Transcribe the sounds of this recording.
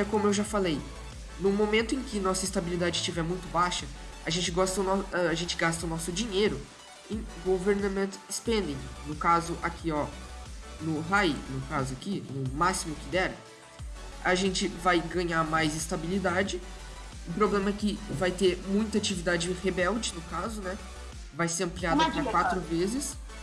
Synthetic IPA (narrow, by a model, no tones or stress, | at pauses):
ɛkõmʊewʒafalej | nʊmomẽnt̪ʊẽkɪnɔsɐɪst̪abilid̪ad͡ʒɪst͡ʃivɛɾmũj̃t̪ʊbaʃɐaʒẽnt͡ʃɪɡɔst̪ɐʊnɔaʒẽnt͡ʃɪɡast̪ɐʊnɔsʊd͡ʒĩɲejɾʊ | ẽɡoveɾnamẽnt̪spẽnd̪ĩnʊkazʊʔakʰiɔ | nʊɦajnʊkazʊakinʊmasimʊkɪd̪ɛɾɐ | aʒẽnt͡ʃɪvajɡɐ̃ɲaɾmajzɪst̪abilid̪ad͡ʒɪ | ʊpɾoblẽmɐɛkɪvajt̪eɾmũj̃t̪ɐat͡ʃivid̪ad͡ʒɪhebɛwd͡ʒɪnʊkazʊnɛ | vajseɾɐ̃pliad̪ɐpakwat̪ɾʊvezɪs